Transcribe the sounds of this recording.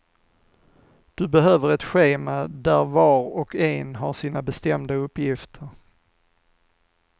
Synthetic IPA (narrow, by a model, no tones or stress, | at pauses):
d̪̥ɵbɛɦøːvəɾɛt̪ɧeːmad̪æɾvɑːɾɔkɛnɦaʂiːnabɛst̪ɛmd̪aɵpːjɪft̪ʰəɾ